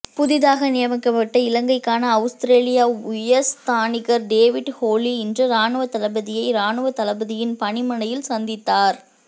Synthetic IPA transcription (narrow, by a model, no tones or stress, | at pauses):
pʊðɪðaːɣɐnɪjɐmɐkːɐpːɐʈːɐɪlɐŋɡɐɪkːaːnɐːʊst̪ɪɾeːlɪjaːʊjɐst̪aːnɪɣɐɾɖeːʋɪɖhoːliɪndrɐɾaːnɯʋɐt̪ːɐlɐbɐðɪjɐɪɾaːnɯʋɐt̪ːɐlɐbɐðɪjɪnpɐɳɪmɐɳɐjɪlsɐnd̪ɪt̪ːaːɾ